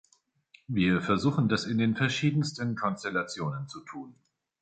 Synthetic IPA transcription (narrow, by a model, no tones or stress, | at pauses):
viːɐfɛɐzuːxn̩dasɪndeːnfɛɐʃiːdn̩stənkʰɔnstɛlat͡sjoːnənt͡sutʰuːn